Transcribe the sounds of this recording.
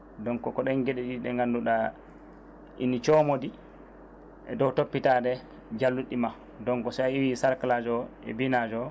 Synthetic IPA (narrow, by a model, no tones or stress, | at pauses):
dɔŋkɔkɔɗɛnɡɛɗɛɗiɗɛŋɡanduɗa | ʔḭnit͡ʃɔmodi | ɛ̰dɔwtopːitadɛ | d͡ʒalːuɗːima | dɔŋkɔsaiwisaɾkalad͡ʒɔɛ̰binad͡ʒɔ